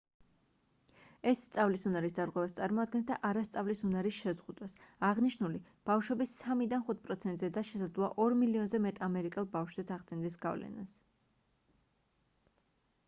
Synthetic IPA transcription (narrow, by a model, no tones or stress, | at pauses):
ɛsːt̪sʼavlisunaɾisd̪aɾʁwɛvast̪sʼaɾmɔad̪̚ɡɛnsd̪aʔaɾast̪sʼavlisunaɾisʃɛzʁud̪wasaʁniʃnuli | b̥afʃɛbisamid̪anχut̪̚ʰpʼɾɔt̪sʰɛnt̪ʼzɛd̪aʃɛsad̪zlˠɔa̰ʔɔɾmiliɔnzɛmɛt̪ʼamɛɾikʼɛlˠbafʃz̥ɛt̪sʰaʁd̪ɛnd̪ɛsɡa̰vlɛ̰nas